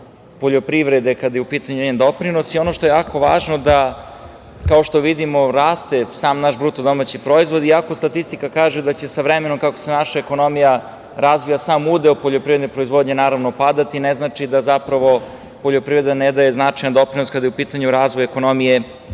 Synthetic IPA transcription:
po̞ʎo̞pɾiʋɾed̪e̞kad̪jeupiːt̪aɲueend̪o̞pɾino̞sio̞no̞ʃt̪ojejaːko̞ʋaːʒno̞d̪a | kao̞ʃt̪o̞ʋid̪imo̞ɾaːst̪e̞saːmnaʃbɾut̪od̪o̞mat͡ɕipɾo̞izʋo̞d̪iako̞st̪at̪ist̪ikakaːʒed̪at͡ɕe̞saʋɾemeno̞mkakose̞naʃaeko̞no̞mija | ɾazʋijasaːmud̪elopoʎopɾive̞d̪nepɾo̞izʋo̞d̪ɲe̞naːɾaʋno̞pad̪at̪ineznat͡ʃid̪azapɾaʋo̞ | po̞ʎo̞pɾivɾe̞d̪aned̪ajeznat͡ʂajnad̪o̞pɾinoskad̪ajupit̪aɲuɾaːzʋojeko̞no̞mije̞

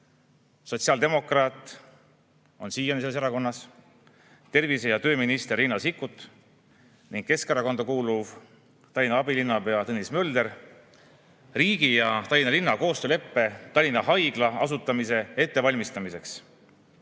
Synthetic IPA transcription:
so̞tsiɑld̪̥e̞mo̞krɑːt̪ˑ | o̞nsiːjɑneseleseɾɑko̞nːɑs | t̪e̞rvisejɑt̪ø̞ːminist̪erːinːɑsikːut̪ːˑ | niŋɡ̥ke̞skeɾɑko̞nd̪̥ɑkuːluv | t̪ɑlʲinɑɑbilinːɑpeɑt̪ɤnismø̞ld̪eɾ | riːɡ̥ijɑt̪ɑlʲinɑlinːɑko̞ːst̪øːle̞pːe̞t̪ɑlʲinːɑɦɑjɡ̥lɑɑ̰sut̪ːˑɑmise̞e̞t̪ːe̞vɑlʲmist̪ɑmise̞ks

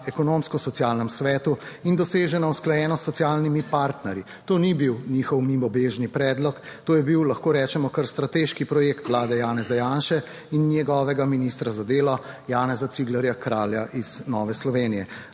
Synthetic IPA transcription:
ɛkɔnoːmskɔsɔt̪sjaːlnɛmsʋɛːt̪uind̪ɔseːʒɛnausklajɛːnɔsːɔsialnimipaɾt̪nɛɾji | t̪oːnibiwniːxɔwmimɔbeːʒnipɾɛːd̪lɔkt̪oːjɛbiwlɐxkoːɾɛːt͡ʃɛmɔkəɾst̪ɾat̪eːʃkipɾɔjeːkt̪ʋlaːd̪ɛjaːnɛzajaːnʃɛ | innjɛɡɔːʋɛɡaminist̪ɾazad̪eːlɔjaːnɛzat̪siɡlɛɾjakɾaːljaʔiz̥nɔːʋɛslɔʋeːnijɛ

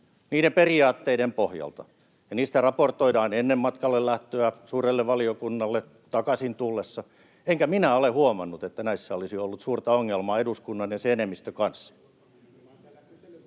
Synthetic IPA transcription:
niːɾemperiɑːt̪ːeiɾempohjɑ̰lt̪ɑ̰ | jɑniːst̪ærɑport̪oidɑːnenːemmɑt̪kɑlːellæht̪øæsuːrelːeʋʋɑliokunːɑlːe | t̪ɑkɑsint̪ulːesːɑ | eŋkæminæolehuomɑnːut̪et̪ːænæisːæolisiolːut̪suːrt̪ɑoŋːelmɑːeduskunːɑnjeseenemːist̪økɑnsːɑ̥

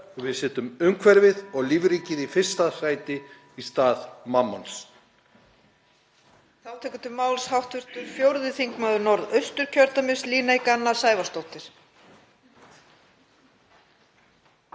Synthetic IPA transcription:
vɪðsɛːt̪ʏmʏmkʰvɛɾvɪðɔɣliːvɾiːcɪðifɪr̥st̪asaːjt̪ɪ | ist̪aːðmamːans | θawt̪ʰɛːkʏnt̪ʰɪmaːwlshawht̪vʏr̥t̪ʏɾ̥fjowɾðɪθiŋkmaðʏnɔɾðœɥst̪ʏɾ̥cʰœɾt̪amɪsliːnejkanːasaːjvast̪owht̪ɪɾ̥

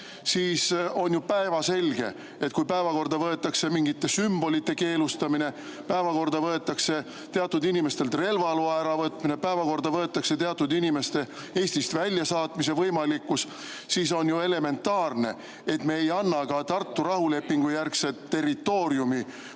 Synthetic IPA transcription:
siːso̞njupæevɑse̞lʲɡ̥e̞̰ | e̞t̪̚kujpæevɑko̞rd̪̥ɑvɤe̞t̪ːˑɑkse̞miŋɡit̪ːe̞symb̥o̞lit̪ːe̞ke̞ːlust̪ɑmine̞ | pæevɑko̞rd̪ɑvɤe̞t̪ːˑɑkse̞ | t̪e̞ɑt̪ːˑud̪inime̞st̪elt̪re̞lvɑluɑæɾɑvɤt̪mine̞pæevɑko̞rd̪ɑvɤe̞t̪ːˑɑkse̞t̪eɑt̪ːˑud̪inime̞st̪e̞ | e̞ːsʲt̪ist̪vælʲjɑsɑːt̪mis̬e̞vɤjmɑlikːus | siːso̞njue̞le̞me̞nt̪ːɑːrne̞ | et̪me̞ejɑnːɑɡ̥ɑt̪ɑrt̪ːuɾɑhule̞pːiŋɡ̥ujærkset̪ːe̞rit̪ːo̞ːɾjumi

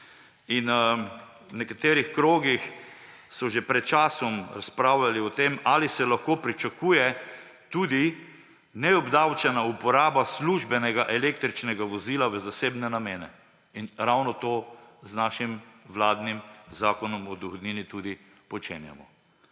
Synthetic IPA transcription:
in | nɛkat̪eːɾixkɾoːɡix | sɔʒepɾɛt̪̚t͡ʃaːsɔmɾaspɾaːwlaliɔt̪emaːlisɛlaxkoːpɾit͡ʃakuːjɛ | t̪uːd̪i | nɛɔbd̪awt͡ʃɛnaupɔɾaːbasluʒbɛnɛɡaʔɛlekt̪ɾit͡ʃnɛɡaʋɔziːlaʋəzaseːbnɛnameːnɛ | inɾawnɔt̪oːznaːʃimʋlaːd̪nimzaːkɔnɔmɔd̪ɔxɔd̪niːnit̪ud̪i | pɔt͡ʃḛːnja̰mɔ

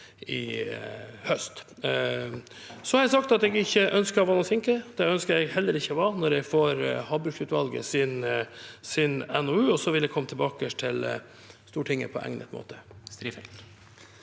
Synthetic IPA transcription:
ɪ | hœst̪ | sɔhɑɾɛɪsɑk̚t̪ɑt̪ɛɡɪçːəʔœnskəɔʋɑːnɔsɪŋkəd̪̥ɛœnskəɾɛɡhɛlːəɾɪçːəɔʋɑnɔɾjɛɡfoːɾhɑːbʉʃʉːt̪ʋɑlɡə̰sɪnsɪnɛnɔʉːɔsɔʋɪld̪ɛkʰɔmːət̪ʰlbɑːkəʂʈʰɪl | st̪uːʈʰɪŋːə̰pʰɔ̰ʔæ̰ŋnə̰t̪mo̰ːt̪ʰə̥sɾ

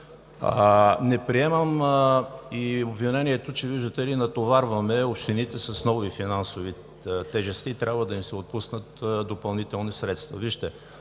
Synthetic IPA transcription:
nɛpɾiɛməm | iobvinɛniɛt̪ot͡ʃɛviʒd̪ət̪ɛlinɐt̪ovaɾvɐmɛopʃt̪init̪ɛsɐsnɔvifinansovi | t̪ɛʒɛst̪it̪ɾʲʔabvəd̪ɐimsɛot̪̚pusnət̪d̪opɐlˠnit̪ɛlˠnisɾɛt̪st̪vɐ̰viʃt̪ɛ

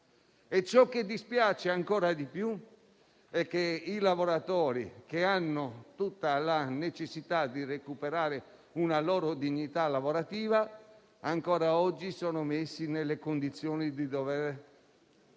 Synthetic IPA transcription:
et͡ʃːɔk̟ːed̪ːispjaːt͡ʃeaŋkɔːɾad̪ipju | ɛkːeilavoɾat̪ɔːɾḭkeanːot̪ut̪ːalanet͡ʃesːit̪ad̪irekupeɾaːɾe | unalɔːɾod̪iɲːit̪alavoɾat̪iːva | aŋkɔːɾaɔd͡ʒːisɔːnomesːinelːekond̪it̪sːjɔːnid̪id̪ovɛːɾ

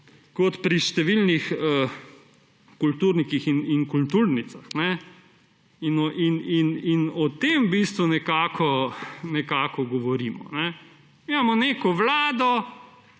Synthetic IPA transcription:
kɔt̪pɾiʃt̪ɛʋilnixə | kult̪uɾnikixiniŋkult̪uɾnit̪saxnɛ | inɔʔinininɔt̪embist̪ʋunɛkaːkʰɔnɛkaːkɔɡɔʋɔɾiːmɔ̰nɛ | mimamɔneːkɔʋlaːd̪ɔ

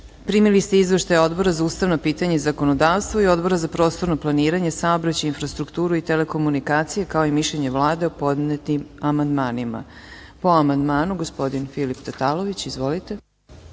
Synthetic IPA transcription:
pɾimilist̪eizʋeʃt̪ajo̞d̪bo̞ɾazauːst̪aʋno̞piːt̪aɲeizakono̞d̪aːʋst̪vʋoio̞d̪bo̞ɾazapɾo̞ːst̪o̞ɾnoplˠaniːɾaɲe̞saobɾat͡ɕainfɾast̪ɾukt̪uːɾuit̪ele̞ko̞munikaːt̪sijekao̞imiʃʎeɲe̞ʋlˠaːd̪e̞opo̞d̪net̪nimamand̪maːnima̰ | po̞amand̪maːnuɡospo̞d̪infilipt̪at̪aːlo̞ʋit͡ɕizʋo̞lit̪e̞

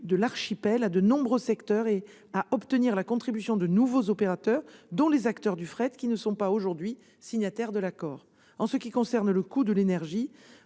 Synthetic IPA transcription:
d̪əlaʁʃipɛlad̪ənɔ̃bʁøsɛkt̪œʁe | aʔɔpt̪əniʁlakɔ̃t̪χibysjɔ̃d̪ənuvozɔpeʁat̪œʁd̪ɔ̃lezakt̪œʁd̪yfχɛt̪kʲinəsɔ̃paoʒuʁd̪ɥi | siɲat̪ɛʁd̪əlakɔːʁ | ɑ̃səkʲikɔ̃sɛʁnləkud̪əlenɛʁʒi

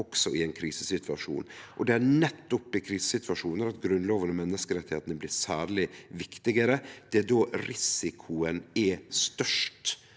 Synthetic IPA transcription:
ɔksɔɪɛnkʰɾiːsə̥sɪt̪ʰʋɑʂṵːnʔɔd̪ɛænɛt̪ːʊpːɪkʰɾiːsə̥sɪt̪ʰʋɑʂuːnəɾɑt̪ɡɾʉnloːʋənəmɛnːəskəɾɛt̪ːɪheːt̪ənəblɪɾsæːɾɭɪʋɪkt̪ɪɡəɾəd̪̥ɛæd̪oːɾɪsɪkʰʊənɛst̪œʂʈ

